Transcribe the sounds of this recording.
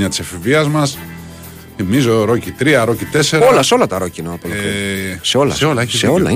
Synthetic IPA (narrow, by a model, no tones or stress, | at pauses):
ɲɐt̪i̥sɐfiviɐzmɐs | imizo̞ɾo̞cit̪ɾiɐɾo̞cit̪e̞se̞ɾɐolɐseo̞lɐt̪ɐɾo̞cinɐɐpolkseo̞lɐ̰seolɐseolɐ̰